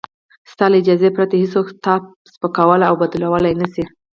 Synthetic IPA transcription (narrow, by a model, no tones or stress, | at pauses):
st̪ɑlaɪd͡ʒɑzepɾat̪ahisoxt̪ɑb̚spəkawəlaawbad̪lawəlajnasi